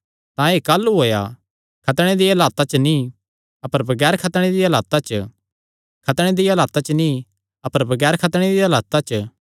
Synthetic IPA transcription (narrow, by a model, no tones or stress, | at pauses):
t̪ãeːkalːuɦoːja̰ | kʰɐt̪ɽ̃ed̪iɐlaːt̪at͡ʃənĩ | ɐpəɾbɐɡɛːɾkʰɐt̪ɽ̃ed̪iɐlaːt̪at͡ʃə | kʰɐt̪ɽ̃ed̪iɐlaːt̪at͡ʃəni | ɐpəɾbɐɡɛːɾkʰɐt̪ɽ̃ed̪iɐlaːt̪at͡ʃə